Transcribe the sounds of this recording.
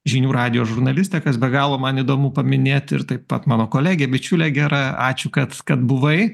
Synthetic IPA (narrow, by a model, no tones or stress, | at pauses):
ʒʲɪnʲuːɾɑːd̪ʲɪjoːʒʊɾnɐlʲɪsʲt̪ʲɛkɐsbʲɛɡɑːlˠoːmɐnid̪oːmuːpɐmʲɪnʲeːt̪ɪ̰ɾt̪ɐɪppɐt̪mɑːnoːkoːlʲæːɡʲeːbʲɪt͡ʃʲulʲɛɡʲæːɾɑɑːt͡ʃʲʊkɐt̪kɐt̪bʊʋɐɪ